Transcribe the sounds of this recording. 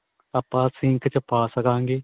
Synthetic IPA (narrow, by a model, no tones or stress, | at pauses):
apːãːsɪ̃ŋkʰt͡ʃəpaːsəkãːŋɡeː